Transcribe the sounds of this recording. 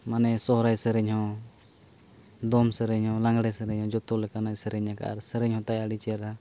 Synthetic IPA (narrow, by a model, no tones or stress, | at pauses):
manɛsɔɦɾajsəɾɛɲhɔ̃ | d̪ɔmsəɾɛɲhɔ̃laŋɡɽɛsəɾɛɲhɔ̃d͡ʒɔt̪ɔlɛkanacsɛɾɛɲaka̰ʔa̰ɾsəɾɛɲhɔ̃t̪ajaɽit͡ʃijaɾa